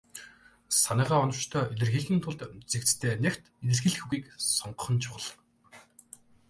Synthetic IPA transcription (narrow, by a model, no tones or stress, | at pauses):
sanæːʁæːɔnɞ̆w̥t͡ɕt̪ʰœːeɮʲɘ̆rxiːɮɣĭnt̪ʰʊɮt̪t͡sekt͡st̪ʰeːnekʲt̪it̪ɘ̆rxiːɮxuɣiːksɔɴɢə̆χə̆nt͡ɕʰʊʁə̆ɮ̆